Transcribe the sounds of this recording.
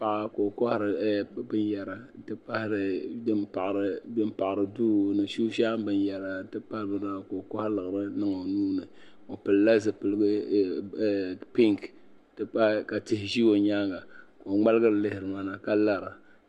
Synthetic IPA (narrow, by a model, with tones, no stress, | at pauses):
pa˦ʔa˦ko˨kɔ˦hɾɨ˨˦bɨ˦n˦jɛ˨ɾa˨˦tɨ˦pa˦hɾɨ˨dɨ˦mpa˨ʔɾɨ˦bɨ˦mpa˨ʔɨ˨ɾɨ˨duː˦nɨ˨ʃuː˦ʃa˦m˦bɨ˦njɛ˨ɾa˨˦tɨ˦pa˦bɨ˨na˨ko˨kɔ˦hlɨ˨ɣɨ˨ɾɨ˦nɨ˦ŋa˨nuː˦nɨ˨ | o˨pɨ˨lla˦zɨ˨pɨ˨lɨ˦ɡɨ˦˨ | pi˦ŋk | tɨ˦pa˦ka˨tɪ˦hɪ˨ʒi˦wo˨ɲa˦ŋɡa˨ko˨ŋ͡ma˦lɨ˦ɡɨ˦ɾɨ˨lɨ˦hɪ˨ɾɨ˨ma˦na˨ka˦la˦ɾa˨